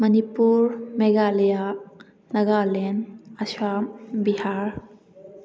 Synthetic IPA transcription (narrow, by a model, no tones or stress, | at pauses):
mɐnipuɾmeɡalija | nɐɡalenɐswambiɦaɾ